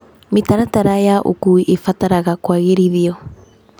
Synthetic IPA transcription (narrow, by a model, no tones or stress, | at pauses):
metaɾataɾajaʔo̰kuʔefataɾaɣakwaɣeɾiðiɔ